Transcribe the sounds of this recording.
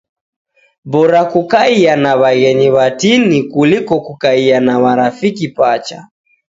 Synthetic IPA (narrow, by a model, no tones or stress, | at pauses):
bɔɾakukaianaβaɣɛɲiβatinikulikɔkukaianaβaɾafikipat͡ʃa̰